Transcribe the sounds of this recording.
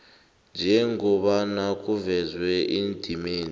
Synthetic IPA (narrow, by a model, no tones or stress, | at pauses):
nd͡ʒʱɛŋɡɔɓanakʼuvɛzwɛʔind̥ʱimiːn